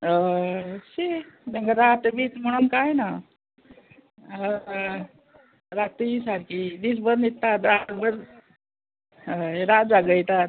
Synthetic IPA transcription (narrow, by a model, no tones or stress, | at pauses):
əsid̪əŋkaɾat̪bit̪m̤əɽ̃unkajna | ə | ɾat̪iɦisaɾkid̪is̬bəɾnit̪ːat̪ɾaɡbəɾ | ɾad͡zaɡəjt̪at̪